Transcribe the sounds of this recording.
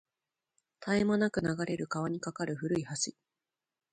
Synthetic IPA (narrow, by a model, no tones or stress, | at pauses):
t̪ʰaemanakɯ̟naɡaɾe̞ɾɯ̟kaβ̞aɲ̟ikakaɾɯ̟ɸɯ̟ɾɯ̟ihaɕi